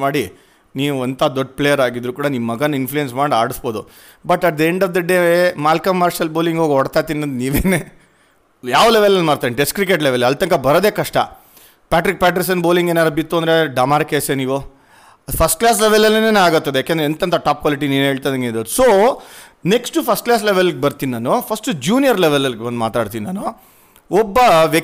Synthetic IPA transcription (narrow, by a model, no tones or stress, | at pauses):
maːɽi | niːʋuɐnt̪aːd̪ɔɖːpɭejɐɾaːɡid̪ɾukuːɽɐniʋːɐɡɐnːinflujensmaːɽiaːɽisbo̞ːd̪u | bɐʈɐd̪ɐeɳɖɐʋd̪ɐɖeːʋmaːlkɐmːaːɾʃɐlboːliŋɡoːɡɔɽt̪aːjt̪inːɐnd̪niːʋeːneː | jaːʋleʋelenmaːɽt̪aʋinɖeskɾik̬eʈleʋelɐlt̪ɐŋkɐbɐɾod̪eːkɐʂʈɐ̰ | pʲaːʈɾik̚pʲaːʈ̬ɾis̬ɐnboːliŋɡeːnaːd̪ɐbit̪ːuɐnd̪ɾe̞ɖɐmaːɾkeseniːʋu | pʰɐsʈklaːs̬leʋelɐlːɐneːnaːɡɐt̪ːɐd̪ejaːkend̪eent̪ɐnt̪ɐʈaːp̚kʋaːliʈ̬iniːnɦeːɭt̪ad̪ɐŋɡed̪ɐusoː | neksʈupʰɐsʈ̚klaːs̬leʋelɐɡebɐɾt̪innaːnupʰɐsʈd͡ʒuːnijɐɾleʋelɐlɡebɐnd̪ma̰ːt̪aːɽt̪inina̰ːnu | ɔbːɐʋe